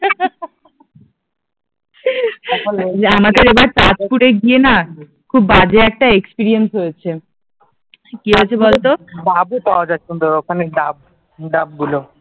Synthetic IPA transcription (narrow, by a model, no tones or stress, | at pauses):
lamad̪eɾebaɾtat͡ɕpuɽeɡiena | kʰubːad͡ʑeɛk̚ʈaekspiɾiensɦojet͡ɕʰe | kiɦoet͡ɕʰebolt̪obabupawad͡ʑaekond̪ookʰaneɖab̚ | ɖab̚ɡulo